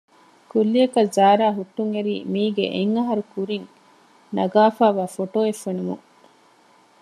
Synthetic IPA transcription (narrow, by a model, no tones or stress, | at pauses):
kulːiɐkɐzaːɾaːɦuʈːuŋeɾḭːmiːɡḛʔeŋːɐɦɐɾukuɾiŋ | nɐɡaːfaːʋaːfoʈoːefːenumṵŋ